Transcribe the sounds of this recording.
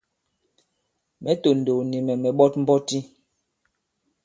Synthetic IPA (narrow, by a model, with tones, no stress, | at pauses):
mɛ˨˦to˨n̩˨do˨ni˨mɛ˨mɛ˨ɓɔ˦tm̩˦bɔ˦ti˦